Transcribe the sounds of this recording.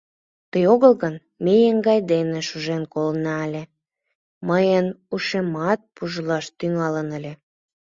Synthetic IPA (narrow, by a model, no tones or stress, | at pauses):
t̪əjoɣəlɣən | mejəŋɡɑjd̪eneʃuʒenkolnɑːlʲe | məjənuʃemɑt̪̚puʒəlɑʃt̪yŋɑlənəlʲe